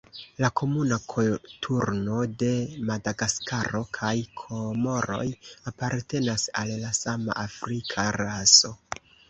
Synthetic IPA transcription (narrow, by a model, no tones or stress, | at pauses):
lakʰo̞munakʰotʰuɾno̞de̞madaɡaskʰaɾo̞kʰajkʰomo̞ɾo̞̰japaɾte̞nasalːasama̰ʔafɾikʰaɾaso̞